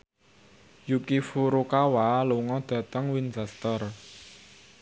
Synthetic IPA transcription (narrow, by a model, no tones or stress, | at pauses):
jukifuɾukawaluŋɔd̪̥ä̤t̪əŋwinsast̪ər